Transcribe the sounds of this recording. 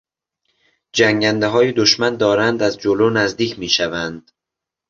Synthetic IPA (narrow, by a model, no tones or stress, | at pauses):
d͡ʒæŋɟænd̪eɦɒːjed̪oʃmænd̪ɒːɾænd̪æzd͡ʒoloːnæzd̪iːcʰmiːʃævænd̪̥